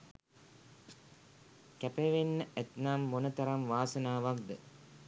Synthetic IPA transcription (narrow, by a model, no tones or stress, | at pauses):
kæpeʋenːəʔɛt̪naːmːonɐt̪ɐɾɐmʋaːsɐnaːʋak̚d̪ə